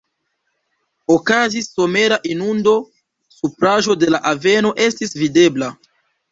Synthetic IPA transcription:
o̞kazisːo̞me̞ɾaʔinundo̞ | supɾaʒo̞de̞laʔave̞no̞ʔe̞stisvide̞bla

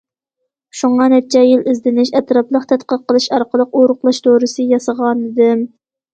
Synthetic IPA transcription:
ʃuɴɑnɛt̪̚t͡ʃʰɛjilɪzd̪ɪnɪʃɛt̪ɾɑplˠəqt̪ʰɛt̪̚qəɾ̚qʰːəlˠɨʃɑɾqəlˠəqoɾʊχlˠɑʃt̪ʰoɾɨsɨjɑsɑʁɑnɪd̪ɪm

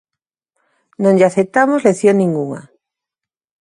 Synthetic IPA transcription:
nõŋʎaθep̚t̪amozleθjoŋnĩŋɡuŋa̰

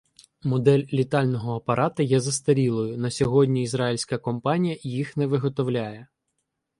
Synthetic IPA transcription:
mɔd̪ɛlʲːit̪ɑlʲnɔɦɔɐpɐɾʔɑt̪ɐjɛzɐst̪ɐɾʲilˠɔjʊnɐsʲɔɦɔdʲnʲiːzɾɑilʲsʲkɐkɔmpɑnʲijɐjixnɛʋɪɦɔt̪ɔwlʲajɛ

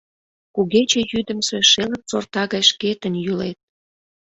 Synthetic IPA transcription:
kuɣet͡ɕĕjyd̪ə̆mseʃelək̚t͡sort̪ɑɣɑjʃket̪ə̆njulet̪̚

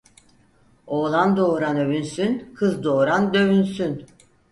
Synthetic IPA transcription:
oːlˠand̪oːɾanø̞βynsynkʰɯzd̪oːɾand̪ø̞βynsyn

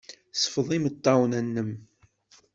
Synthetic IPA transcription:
sə̥fðˤimət̪ˤːɑwnænːəm

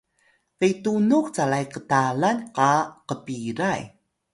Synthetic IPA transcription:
tejtunukt͡salajqətalanqɑqəpiɾaj

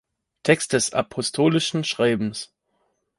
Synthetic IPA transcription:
tʰɛkst̚d̥ɛsa̰pʰɔstʰoːlɪʃn̩ʃʁ̥aɪbm̩s

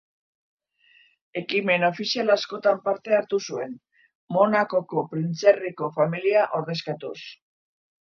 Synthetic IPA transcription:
e̞kime̞no̞fisialasko̞t̪ampaɾt̪e̞aɾt̪usue̞̰n | mo̞nako̞ko̞pɾint͡seriko̞familiaʔo̞ɾðe̞skat̪us

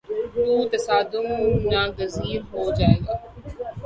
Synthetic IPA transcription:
t̪uːt̪ɐsaːd̪ʊmʊnãːɡɐziːɾɦoːd͡ʑaːẽːɡaː

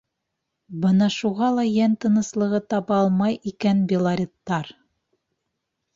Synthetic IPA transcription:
bɤnɑʃuʁɑlˠɑjænt̪ɤ̆nɤ̆slˠɤ̆ʁɤt̪ɑβɑɑlˠmɑjikænbʲɪlˠaɾʲit̪ːɑɾ

